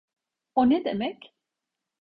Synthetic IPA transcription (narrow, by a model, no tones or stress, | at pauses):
oned̪emɛc